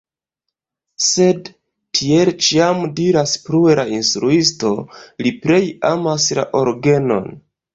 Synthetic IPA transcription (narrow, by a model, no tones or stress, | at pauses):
se̞d | tʰie̞lt͡ʃiamdiɾaspɾuelʔainstɾuisto̞lipɾe̞jamasla̰ʔo̞ɾɡe̞no̞̰n